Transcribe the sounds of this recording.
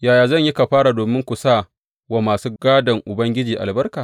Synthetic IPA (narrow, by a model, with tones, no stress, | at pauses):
jaː˨jaː˨zɐ˦˨ɲjɪ˦ka˨ɸaː˦ɾa˨doː˨mɪ˦ŋkʷu˨saː˦˨ | wa˦˨maː˨suː˦ɡaː˦dɐ˨ŋʔʊ˨bɐ˦ŋɡʲɪ˦d͡ʒiː˨ʔa̰˨lbɐ˦rkaː˨